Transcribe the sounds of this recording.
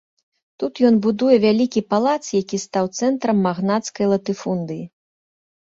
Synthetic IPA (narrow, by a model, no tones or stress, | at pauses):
t̪ut̪jɔnbud̪ujɛvʲalʲikʲipalˠat̪sjakʲist̪awt̪sɛnt̪ɾɐmːaɣnat̪skɐjlˠɐt̪ɨfund̪ɨji